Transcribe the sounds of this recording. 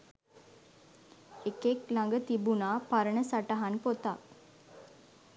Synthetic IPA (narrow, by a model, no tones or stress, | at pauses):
ekeklaŋɡət̪ibunaːpaɾəɳəsaʈəɦanpot̪a